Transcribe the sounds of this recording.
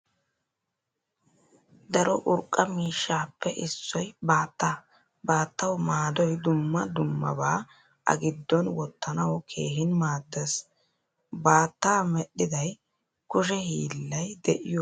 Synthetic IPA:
d̪ɐɾɔʔʊɾkʼːɐmiːʃːaːpːɛʔɪsːɔjbaːt̪ːaː | baːt̪ːɐwmaːd̪ɔjd̪ʊmːɐd̪ʊmːɐ̰baː | ʔɐ̰ɡɪd̪ːɔnwɔt̪ːɐnɐwkʰe̞ːɦɪnmaːd̪ːes | baːt̪ːaːmɛɗːɪd̪ɐj | kʊʃ̬ɛhiːlːɐjd̪ɛʔɪjɔ

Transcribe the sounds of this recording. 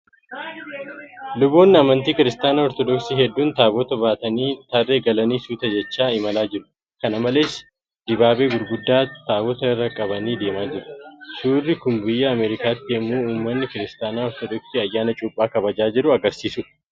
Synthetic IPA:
lʊbo̞ːnːɪɐmɐnt̪iːkɪɾɪst̪aːnaːɔɾt̪ɔd̪ɔksiːhɛd̪ːuːnt̪aːbɔt̪ɐbaːt̪ɐniːt̪ɐrːe̞ːɡɐlɐniːsuːt̪ɐd͡ʒɛt͡ʃːaːɪmɐlaːd͡ʒɪɾʊ̥ | kɐnɐmɐle̞ːs | d̪̥ɪbaːbe̞ːɡʊɾɡʊd̪ːaːt̪aːbɔt̪ɐɪrːɐkʼɐbɐniːd̪e̞ːmaːd͡ʒɪɾʊ̥suːrːɪkʊmbɪjːɐːmeːɾɪkaːt̪ːɪɛmːuːuːmːɐnːɪkɪɾɪst̪aːnaːɔɾt̪ɔd̪ɔksiːɐjːaːnɐt͡ʃʼʊpʼːaːkɐbɐd͡ʒaːd͡ʒɪɾʊɐɡɐɾsiːsʊᶑɐ

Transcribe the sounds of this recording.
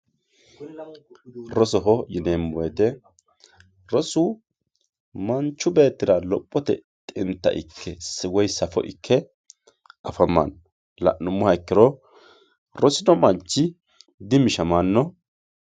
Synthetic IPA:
ɾɔsɔɦɔjɪneːmːɔɛt̪ɛ | ɾɔsʊ | mɐnt͡ʃːʊbe̞ːt̪ːɪɾɐlɔpʼːɔt̪ɛ̰t̪ʼɪnt̪ːɐ̰ʔɪ̰kʰːɛsɪwɔjsɐfɔ̰ʔɪ̰kʰːɛ | ʔɐfɐmːɐ̰n | lɐ̰ʔnːʊmːʊhɐjkːɪɾɔ | ɾɔsɪnɔmɐnt͡ʃːɪ | d̪ɪmɪʃɐmanːɔ

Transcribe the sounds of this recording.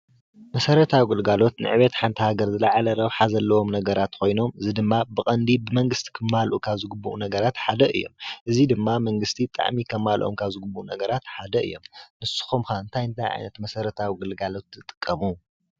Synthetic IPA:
mɐsɐɾɐt̪ʰawiɡɨlɡalo̞t̪nɨ̰ʕɨβet̪ħant̪ʰɐhaɡɐɾzɨlaʕalɐɾɐβħazɐlːɐwo̞mnɐɡɐɾat̪kʰo̞jno̞mɨzid̪ɨmːabɨkʼɐnd̪ibɨmɐŋɡɨst̪ʰi̥kʰɐmːalʔukʰaβzɨɡubːuʔunɐɡɐɾat̪ħad̪ɐʔɨ̰jːo̞̰mʔɨzid̪ɨmːamɐŋɡɨst̪ʰit̪ʼa̰ʕmikʰɐmːalʔo̰mkʰaβzɨɡɨbːuʔunɐɡɐɾat̪ħad̪ɐɨ̰jːo̞̰mnɨsu̥xomxaɨnt̪ʰajɨnt̪ʰajʕa̰jnɐt̪mɐsɐɾɐt̪ʰawiɡɨlɡalo̞t̪zɨt̪ʼɨ̥kʼːɐmu

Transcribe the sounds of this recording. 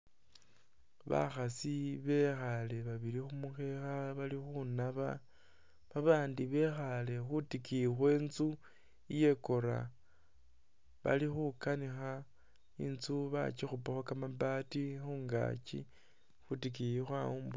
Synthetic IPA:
βa̰xasiβe̞xale̞βaβiɾixumuxe̞xaβalixunaβa | βaβaːndiβe̞xale̞xutikixwe̞ːnzu | ije̞ko̞ɾa̰ | βa̰lixukanixa | inzuβa̰t͡ʃixupaxwakamabatixuːŋɡa̰t͡ʃḭ | xutikijixwaumbu

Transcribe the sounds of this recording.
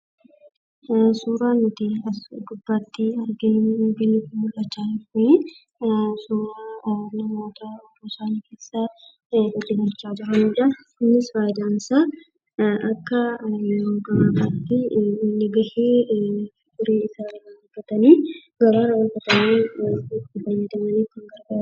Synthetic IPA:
suːɾaːnʊt̪ɪɐɡʊbːaːt̪ːɪɐɾɡɪɡɪnːɪkɪmʊlːɐt͡ʃːaːnɪʊɪ | suːɾaːnɐmo̞ːt̪ɐɔboːsaːniːke̞ːsːa | ɛlːɪɡɐɾt͡ʃːaːd͡ʒɪɾɐnid͡ʒɐ | ɪnːɪsfaːjɪd̪aːnsaː | ɐkːɐɾoːɡɐmaːʔɐt̪ːɪːnːɪɡɐheː | ɡʊɾeːɪsaːrɐwɐɾfɐt̪ɐniːɡɐɾaːɾɐwɐlfɐt̪ɐniːɪt̪ːɪfɐjːɐd̪ɐmɐniːkɐŋɡɐɾɡ

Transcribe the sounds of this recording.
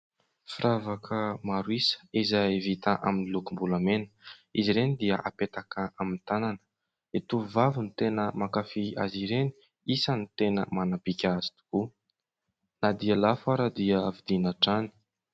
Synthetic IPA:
fiɾavakʰəmaɾuisə̥izaevit̪aʔa̰minilukumbulamenə̥iziɾenid̪iəʔapet̪akəʔamint̪ananə̥ | et̪uvavunit̪enəmakafiaziɾeni̥ | isənit̪enəmanapikʲazi̥t̪u̥ku | nad̪ialafaɾad̪iəvid̪inaʈ͡ʂani̥

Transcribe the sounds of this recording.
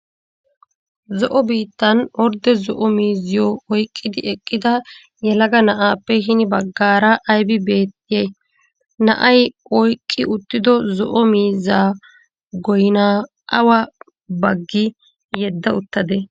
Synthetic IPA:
zɔʔɔbiːt̪ːɐnɔɾd̪ɛzɔʔɔmiːzːɪjɔɔjkʼːɪd̪ɪʔɛkʼːɪd̪ɐ | jɛlɐɡɐnɐʔaːpːɛɦɪnɪbɐɡːaːɾɐʔɐjbɪbe̞ːt̪ːɪjɛj | nɐ̰ʔɐjɔjkʼːɪʊt̪ːɪd̪ɔzɔʔɔmiːzːaː | ɡɔjɪnaː | ʔɐwɐ | bɐɡːɪ | jɛd̪ːɐʊt̪ːɐd̪ɛ

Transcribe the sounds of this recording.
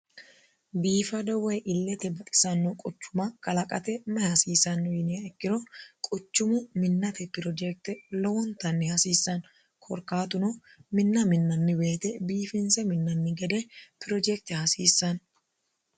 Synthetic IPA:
biːfɐd̪ɔwɛjʔɪlːɛt̪ɛbɐt̪ʼɪ̥sɐnːɔkʼɔt͡ʃːʊmɐkʼɐlɐkʼɐt̪ɛmɛhɐsiːsɐnːjɪnɪjɐɛkːɪɾɔkʼɔt͡ʃːʊmʊmɪnːɐt̪ɛpɪɾɔd͡ʒɛk̚t̪ɛlɔwɔnt̪ɐnːɪhɐsiːsːɐn | kʰɔɾkaːt̪ʊnɔ | mɪnːɐmɪnːɐnːɪbe̞ːt̪ɛbiːfɪnsɛmɪnːɐnːɪɡɛd̪ɛpɪɾɔd͡ʒɛk̚t̪ɪhɐsiːsːɐn

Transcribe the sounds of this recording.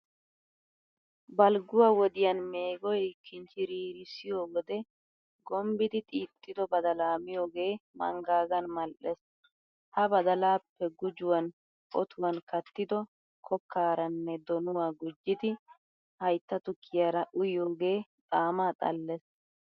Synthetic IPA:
bɐlɡʊwaːwɔd̪ɪjɐnme̞ːɡɔjkːɪnt͡ʃɪɾiːɾɪsɪjoːɡɔd̪ɛ | ɡɔmbɪd̪ɪt̪ʼiːt̪ʼːɪd̪ɔbɐd̪ɐlaːmɪjoːɡe̞ːmɐ̰ŋɡaːɡɐnmɐlʔɛs | hɐbɐd̪ɐlaːpːɛɡʊd͡ʒʊwɐn | ɔt̪ʰʊwɐnkɐt̪ːɪd̪ɔ | kʰɔkʰːaːɾɐnːɛd̪ɔnʊwaːɡʊd͡ʒːɪd̪ɪ | hɐjt̪ːɐt̪ʊkʰːɪjaɾɐʔʊjoːɡe̞ːt̪ʼaːmaːt̪ʼɐ̰lːɛs

